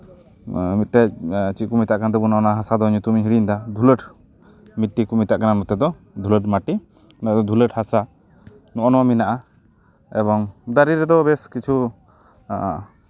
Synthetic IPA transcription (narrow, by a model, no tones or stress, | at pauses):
mit̪̚ʈɛc̚t͡ʃikumit̪aʔkanad̪ɛbunɔɔnaɦasad̪ɔɲut̪umiɦiɽiɲd̪ad̪ʱuləʈ | mit̪̚ʈːikumit̪aʔkanamɔt̪ɛd̪ɔ | d̪ʱuləʈmaʈi | naad̪ɔd̪ʱuləʈhasa | nɔʔɔnɔwaminaʔa | ɛbɔŋd̪aɾiɾɛd̪ɔbɛskit͡ʃʰu